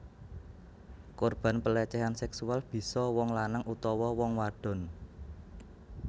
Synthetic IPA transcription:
korb̥a̤npəlɛt͡ʃɛɦansɛksualb̥i̤sɔwɔŋlanaŋut̪ɔwɔwɔŋwaɖ̥ɔ̤n

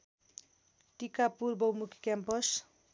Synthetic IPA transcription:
ʈikapurbʌwmukʰkjampʌs

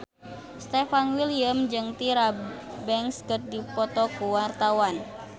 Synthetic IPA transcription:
st̪ɛfanwiliamd͡ʒɨŋt̪iɾabɛŋskɨr̚dipɔt̪ɔkuwart̪awan

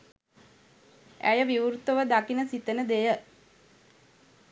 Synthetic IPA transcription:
æ̰jəʋiʋuɾut̪əʋəd̪akinəsit̪ənəd̪ejə

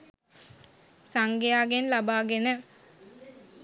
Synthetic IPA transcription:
saŋɡejaːɡenlabaːɡenə

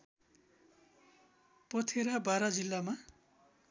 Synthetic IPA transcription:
pʌt̪ʰeɾabaɾad͡zilːama

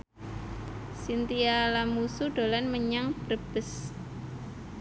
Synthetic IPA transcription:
sint̪ialamusuɖ̥olanməɲaŋb̥ərb̥əs

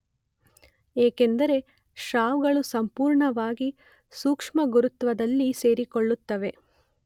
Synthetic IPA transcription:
eːkend̪ɐɾe̞ | ʃaːʋɡɐɭusɐmpuːɾɳɐʋaːɡi | suːkʂmɐɡuɾut̪ʋɐd̪ɐlːise̞ːɾikoɭːut̪ːɐʋe̞

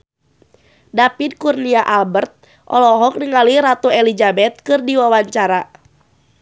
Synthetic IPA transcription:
dapid̚kurniaʔalbərt̪̚ | ʔɔ̰lɔɦɔk̚niŋaliɾat̪ɔɛlid͡ʒabɛt̪̚kɨrdiwawaɲt͡ʃaɾa

